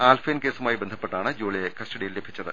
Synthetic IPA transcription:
aːlfeːnke̞ːsumaːjibe̞nd̪ʱɐpːeʈːaːɳɨd͡ʑoːɭiekɐsʈɐɽijillebʱit͡ɕːɐðɨ̰

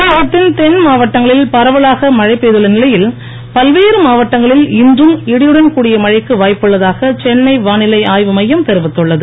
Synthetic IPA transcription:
ɐʋɐt̪ːɪnt̪ɛnmaːʋɐʈːɐŋɡɐɭɪlpɐɾɐʋɐɭaːɣɐmɐɻɐɪpːeːðɯɭːɐnɪlɐjɪl | pɐlʋeːɾɯmaːʋɐʈːɐŋɡɐɭɪlɪndrɯmɪɽɪjɯɽɐnkuːɽɪjɐmɐɻɐɪkːɯʋaːjpːɯɭːɐðaːɣɐt͡ʃɛnːɐɪʋaːnɪlɐɪaːjʋɯmɐjːɐmt̪ɛɾɯʋɪt̪ːɯɭːɐðɯ

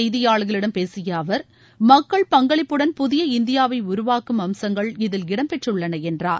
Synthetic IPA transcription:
jðɪjaːɭɯɣɐɭɪɽɐmpeːsɪjɐːʋɐɾ | mɐkːɐɭpɐŋɡɐɭɪpːɯɽɐnpʊðɪjɐɪnd̪ɪjaːʋɐɪʊɾʊʋaːkɯmɐmsɐŋɡɐɭɪðɪlɡɪɽɐmpɛʈrɯɭːɐnɐɛndra̰ːɾ

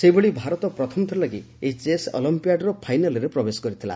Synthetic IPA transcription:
sebeɭibʱaɾɔt̪ɔpɾɔt̪ʰɔmɔt̪ʰɔɾelaɡi | et͡ʃesɔ̰limpijaɖɾɔpʰajnalɔɾepɾɔbesɔ̥kɔɾit̪ʰila̰

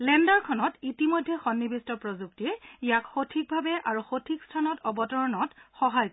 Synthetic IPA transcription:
lɛndaɹkʰɔnɔtitimojdʱːɛxɔnːibistɔpɹɔzuktiɛijakxotʰik̚bʱabɛʔaɹuxotʰikstʰanɔtɔbɔtɔɹɔnɔtxɔɦaj

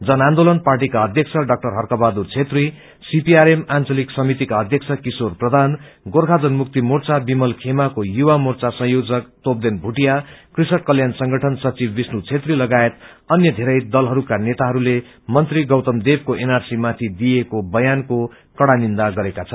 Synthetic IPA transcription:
d͡zʌnand̪olʌnparʈ̬ikaʌd̪ʱjʌk̚t͡sʰʌɖʌk̚ʈʌrɦʌrkʌbad̪urt͡sʰet̪ri | sipiaɾemant͡sʌliksʌmit̪ikaʌd̪ʱjʌk̚t͡sʰʌkisorprʌd̪ʱan | ɡorkʰad͡zʌnmukt̪imurt͡sabimʌlkʰemakojuwamurt͡sasʌ̃jod͡zʌkt̪op̚d̪enbʱuʈijakrisʌʈ̚kʌljansʌŋɡʌʈʰʌnsʌt͡sibːisnut͡sʰet̪rilʌɡaet̪ | ʌnjʌd̪ʱeɾʌjd̪ʌlɦʌɾukanet̪aɦʌɾule | mʌnt̪riɡʌwt̪ʌmd̪eb̚koʔenarsimat̪ʰid̪iekobʌjanko | kʌɽanind̪aɡʌɾekat͡sʰʌn

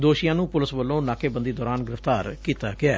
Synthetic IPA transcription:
d̪oːʃɪjãːnũːpʊlɪsʋəlːõːnaːkʰeːbənd̪iːd̪ɔːɾaːnɡɪɾəft̪aːɾkiːt̪aːɡɪaː

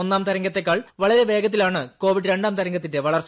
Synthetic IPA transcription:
onːaːmt̪ɐɾɐŋɡɐt̪ːe̞kːaːɭʋɐɭɐɾe̞ʋe̞ːɡɐt̪̬ːilaːɳɨko̞ːʋiɖɾe̞ɳɖaːmt̪ɐɾɐŋɡɐt̪ːinde̞ʋɐɭɐrs

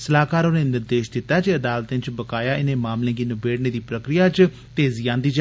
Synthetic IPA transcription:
səlaːkaːɾoːneːnɪɾd̪eːʃd̪ɪt̪ːaːd͡ʒeːəd̪aːlt̪ẽːt͡ʃbəkaːjaːʔɪnẽːmaːmlẽːɡiːnəbeːɽneːd̪iːpɾəkɾɪjaːt͡ʃ | t̪eːzijãːnd̪iːd͡ʒ

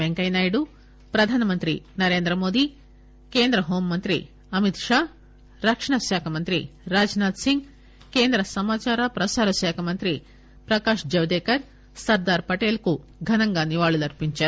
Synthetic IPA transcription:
beŋkɐjnaːjɖu | pɾɐd̪ʱaːnɐmɐnt̪ɾḭnɐɾeːnd̪ɾɐmo̞ːd̪i | keːnd̪ɾɐɦoːmːɐnt̪ɾḭ | ɐmit̪ʂaː | ɾɐkʂɐɳɐʃaːkʰɐmɐnt̪ɾḭɾaːd͡ʒnaːd̪siŋɡ | keːnd̪ɾɐsɐmaːt͡ʃaːɾɐpɾɐsaːɾɐʃaːkʰɐmɐnt̪ɾi | pɾɐkaːʂd͡ʒɐʋd̪eːkɐɾ | sɐɾd̪aːɾpɐʈeːlku | ɡʱɐnɐŋɡaːniʋaːɭulɐɾpiɲt͡ʃɐ

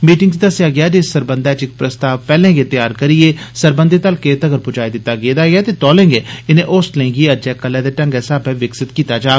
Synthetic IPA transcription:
miːʈɪŋɡt͡ʃd̪əsɪjaːɡɪaːd͡ʒɪsːəɾbənd̪aːt͡ʃɪk̚pɾəst̪aːʋpɛːlẽːɡeːt̪jaːɾkəɾieːsəɾbənd̪eːt̪əlkeːt̪əɡəɾpʊd͡ʒaːid̪ɪt̪ːaːɡeːd̪aːɡɪaːt̪eːt̪ɔːlẽːŋɡeːɪnẽːʔoːslẽːŋɡiəd͡ʒɛːkəlːɛ̃ːd̪eːʈə̃ŋɡɛːsaːbɛːʋɪksɪt̪kiːt̪aːd͡ʒaː

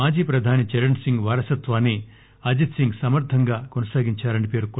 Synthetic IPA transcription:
aːd͡ʒiːpɾɐd̪ʱaːnit͡ʃeɾɐɳsiŋɡʋaːɾɐsɐt̪ʋaːni | ɐd͡ʒit̪siŋɡsɐmɐɾt̪ʰɐŋɡaːkonɐsaːɡiɲt͡ʃaːɾɐɳipeːɾuk

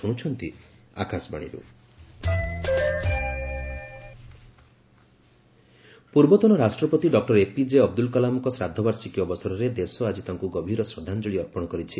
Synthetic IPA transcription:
uɽ̃ut͡ʃʰɔnt̪i | akasbaɽ̃ḭɾṵ | puɾbɔt̪ɔnɔɾasʈɾɔpɔt̪iɖɔk̚ʈɔɾepid͡ʒeɔbd̪ulkɔlamɔŋkɔsɾad̪ʱːɔbaɾsikiɔbɔsɔɾɔɾed̪esɔad͡ʒit̪aŋkuɡɔbʱiɾɔsɾɔd̪ʱand͡ʒɔɭiɔɾpɔɽ̃ɔkɔɾit͡ʃʰi

